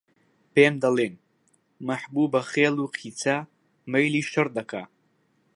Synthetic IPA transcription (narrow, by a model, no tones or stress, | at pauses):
peːmd̪ɐlˠen | mɐħbuːbɐχeːluːqʰiːt͡sʰa | mɐjliːʃɐɾd̪ɐkʰa